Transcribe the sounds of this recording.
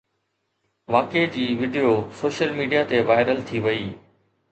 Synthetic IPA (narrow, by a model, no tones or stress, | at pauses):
ʋaːked͡ʑiːʋɪɖijosoːʃəlmiːɖijat̪eʋaːɪɾəlt̪ʰiʋɐiː